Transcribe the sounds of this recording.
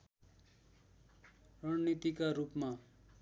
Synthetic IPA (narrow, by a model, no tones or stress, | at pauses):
rʌnnit̪ikaɾupma